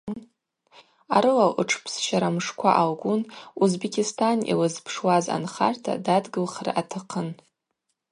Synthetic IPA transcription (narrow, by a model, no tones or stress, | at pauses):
aɾɨlaʔɨʈ͡ʂʰpʰsʃaɾamʂkʷʰaʔalɡʷunuzbekʲʰistʰanḭlɨzpʰʂwaza̰nχa̰rtʰa̰dadɡɨlχra̰ʔatʰɨqʰən